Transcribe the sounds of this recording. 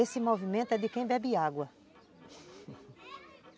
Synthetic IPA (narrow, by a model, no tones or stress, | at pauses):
esɪmovimẽnt̪ʊɛd̪ɪkẽj̃bɛbɪaɡwɐ